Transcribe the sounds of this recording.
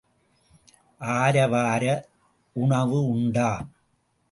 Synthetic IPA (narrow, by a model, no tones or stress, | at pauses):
ʔaːɾɐʋaːɾɐ | ʊɳɐʋɯʊɳɖaː